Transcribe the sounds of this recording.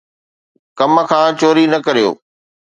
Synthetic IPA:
kɐməkʰãːt͡ɕoːɾinɐkɐɾijo̰ː

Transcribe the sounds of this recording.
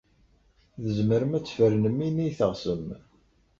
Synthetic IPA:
ðəzməɾəmæt͡sːfəɾnəmːinijθəʁsəm

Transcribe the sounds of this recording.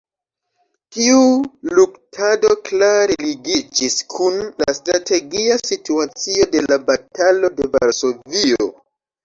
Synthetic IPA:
tiuluktʰado̞klaɾeliɡid͡ʒiskʰunla̰stɾate̞ɡiasituat͡sio̞de̞labatalo̞de̞va̰ɾso̞vio̞̰

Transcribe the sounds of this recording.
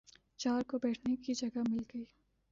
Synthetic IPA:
t͡ʃaːɾkobɛːʈʰnekid͡ʒɐɡamɪlɡɐiː

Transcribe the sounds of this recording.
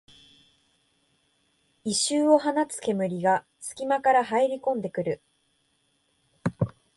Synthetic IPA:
iɕɨːo̞ɦanat͡sɨ̥ke̞mɯ̟ɾʲiɡa | sɨ̥kʲimakaɾahaeɾʲikõ̞nd̪e̞kɯ̟ɾɯ̟

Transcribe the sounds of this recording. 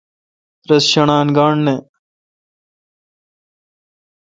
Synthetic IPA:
ɾɐsɕɐɳaːnɡaːɳne

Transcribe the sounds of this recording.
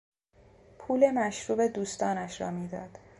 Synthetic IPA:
pʰuːle̞mæʃɾuːbe̞d̪uːst̪ɒːnæʃɾɒ̰ːmiːd̪ɒːd̪̥

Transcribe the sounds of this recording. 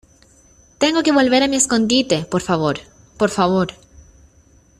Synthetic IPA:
t̪e̞ŋɡo̞ke̞βo̞lβe̞ɾamiesko̞nd̪it̪e̞poɾfaβoɾ | poɾfaβo̞ɾ

